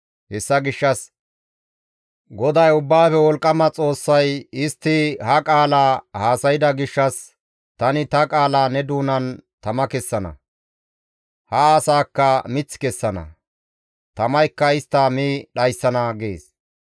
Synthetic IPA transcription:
hɛsːɐɡɪʃːɐs | ɡɔd̪ɐjʊbːaːfɛwɔlkʼːɐmɐt͡sʼo̞ːsːɐjɪst̪ːɪhɐkʼaːlaːhaːsɐjɪd̪ɐɡɪʃːɐs | t̪ɐnɪt̪ɐkʼaːlaːnɛd̪uːnɐnt̪ɐmɐkɛsːɐnɐ̰ | hɐːsaːkːɐmɪt͡sːkɛsːɐnɐ̰ | t̪ɐmɐjkːɐɪst̪ːɐmiːɗɐjsːɐnɐɡḛːs

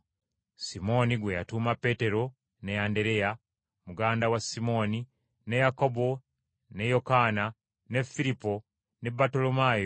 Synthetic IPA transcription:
simo̞niɡwe̞ja̰tuːmape̞te̞ɾo̞ | ne̞ande̞ɾe̞ja | muɡaːndawasimo̞ni | ne̞jako̞bo̞ | ne̞jo̞kaːna | ne̞filipo̞ | ne̞bːato̞lo̞majo

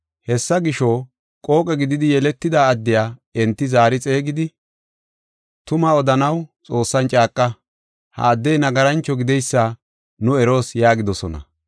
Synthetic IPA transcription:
hɛsːɐɡɪʃoː | kʼo̞ːkʼɛɡɪd̪ɪd̪ɪjɛlɛt̪ːɪd̪aːɐd̪ːɪjaːɛnt̪ːɪzaːɾɪt͡sʼe̞ːɡɪd̪ɪ | t̪ʊmaɔd̪ɐnɐwt͡sʼo̞ːsːɐnt͡ʃʼaːkʼːɐ | hɐ̰ːd̪ːɛjnɐɡɐɾɐnt͡ʃːɔɡɪd̪ɛjsːa | nʊɛɾo̞ːsjaːɡɪd̪ɔsɔnɐ̰

